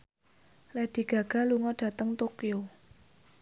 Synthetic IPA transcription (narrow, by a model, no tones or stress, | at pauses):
lɛd̥i̤ɡ̥ä̤ɡ̥a̤luŋɔɖ̥a̤t̪əŋt̪okio